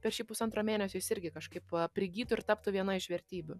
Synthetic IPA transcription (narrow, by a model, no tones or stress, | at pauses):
pʲɛɾʃʲiːpʊsɐnt̪ɾomʲeːnʲɛsʲʊːjɪsɪɾʲɡʲɪkɐʃkɐɪpɐpʲɾʲɪɡʲiːt̪ʊɪɾt̪ɑːpt̪ʊʋʲiɛnɐɪʃʋʲɛɾʲt̪ʲiːbʲʊ